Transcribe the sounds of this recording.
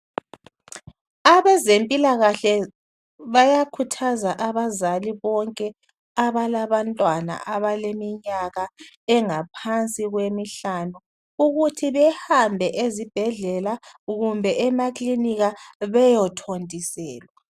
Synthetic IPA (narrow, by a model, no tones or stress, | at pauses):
aβɛzempʼilaɣaɬɛ | βajakʰutʰazaʔaβazaliβɔŋkʼɛ | aβalaβantʼwana̰ʔaβalemiɲaɣa | ɛŋapʰant͡sʼiɣwemiɬanu | uɣutʰiβɛhambʱɛʔezib̥ʱɛɮɛlaɣumbʱɛʔɛmakʼliniɣaβɛjɔtʰondʱʼisɛːlwa